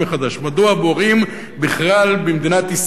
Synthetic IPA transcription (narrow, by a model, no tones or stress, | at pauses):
eχad̪aʃmad̪oaboʁim | biχlalbemd̪inat̪is